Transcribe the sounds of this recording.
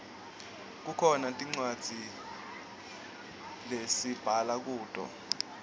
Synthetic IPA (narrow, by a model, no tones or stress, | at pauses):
k̬ukʰɔnatʼiŋ͡ǀwad̥z̥ʱi | lesib̥ʱalak̬uːd̥ʼʱɔ̰